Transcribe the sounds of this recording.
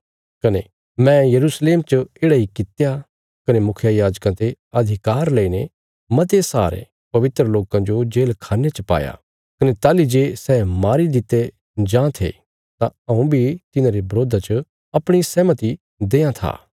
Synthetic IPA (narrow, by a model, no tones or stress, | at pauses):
kɐne | mɛ̃jɐɾuːsleːmt͡ʃəeːɽaikɪt̪ja | kɐnemʊkʰjajaːd͡ʒkãt̪eɐd̪ʱɪkaːɾleine | mɐt̪esa̰ːɾḛ | pɐʋɪt̪ɾəloːkãd͡ʒod͡ʒeːlkʰaːnet͡ʃɐpa̰ːja̰ | kɐnet̪aːlid͡ʒeːsɛːmaːɾid̪ɪt̪e | d͡ʒãːt̪ʰḛ | t̪ãɐũbʱit̪ɪnãɾebɾoːd̪ʱat͡ʃə | ɐpɽ̃isɛːmət̪i | d̪eːãt̪ʰa̰ː